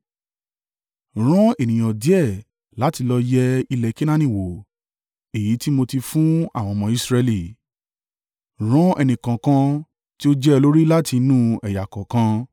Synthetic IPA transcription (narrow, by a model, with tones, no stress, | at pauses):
ɾ̃ɔ̃˦e˨nĩ˨j̃ɔ̃˨di˨˦ɛ˦˨ | la˨˦ti˧lɔ˧jɛ˦i˧lɛ˧˨˧ki˦nã˦nĩ˦˨wo˨ | e˨ji˨˦ti˦mo˧ti˧fũ˦a˦˨w̃ɔ̃˧mɔ̃˧i˦sɾɛ˧li˦˨ | ɾ̃ɔ̃˦ʔɛ˧nĩ˨kã˨kã˧ | ti˦o˦d͡ʒɛ˦˧lo˦ɾi˦la˦ti˧nũ˦ɛ˨ja˨kɔ˨kã˧